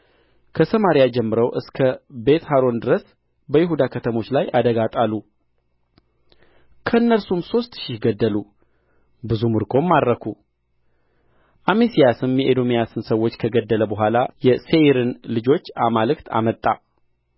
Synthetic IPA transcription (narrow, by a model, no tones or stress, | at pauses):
kʰəsəmaɾijad͡ʒɛmːɨɾəwʔɨskʰəbe̞t̪ɦaɾo̞nd̪ɨɾəs | bəjɪɦud̪akʰət̪ʰəmo̞t͡ʃːlajad̪əɡat̪ʼalːu | kʰəɨnːəɾsumso̞st̪ʃɪhɡəd̪ːəlu | bɨzumɨɾkʰo̞mːad̪ɾəkʰu | ʔamesijasɨmjɛʔed̪o̞mijasɨnsəwo̞t͡ʃːkʰəɡəd̪ːələbəɦʷalajɛse̞ɾɨnlɨd͡ʒo̞t͡ʃːamalɨkt̪ʰa̰mət̪ʼːa̰